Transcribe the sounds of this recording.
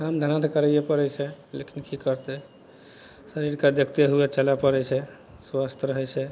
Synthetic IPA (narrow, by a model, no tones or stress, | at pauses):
kamd̪ʱaənat̪kəɾɛjɛpəɾɛt͡ʃʰɛlḛkinkikəɾt̪ɛ | səɾiɾkad̪jəkt̪eɦuɛt͡ʃəlapəɾɛt͡ʃʰɛ | swast̪ʰɾəɦɛt͡ʃʰɛ